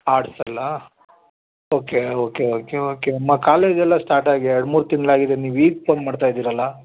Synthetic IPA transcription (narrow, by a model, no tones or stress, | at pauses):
aːɽsɐlːɐ | oːkeoːkeoːkeoːkeɐmːakaːle̞ːd͡ʒɛlːɐsʈaːɾʈaːɡiɛɾɽmuːɾut̪iŋɡɐɭaːɡid̪eniːʋiːɡ̚ponmaːɽt̪aːjd̪iːɾɐlːɐ